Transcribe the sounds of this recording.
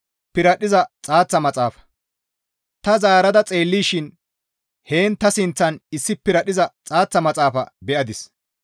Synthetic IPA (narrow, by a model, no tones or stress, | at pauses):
pɪɾɐɗɪzɐt͡sʼaːt͡sːɐmɐt͡sʼaːfɐ̥ | t̪ɐzaːɾɐd̪ɐt͡sʼe̞ːlːiːʃɪn | he̞ːnt̪ɐsɪnt͡sːɐnɪsːɪpɪɾɐɗɪzɐt͡sʼaːt͡sːɐmɐt͡sʼaːfɐ̰bɛʔɐd̪ɪs